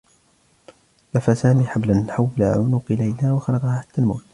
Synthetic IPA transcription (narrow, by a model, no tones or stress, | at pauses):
lafasaːmiːħablaħawːla̰ʕʊnʊqlajlaːwɑxɑlɑqɑhaħḁt̪ːaːlmo̰wt̪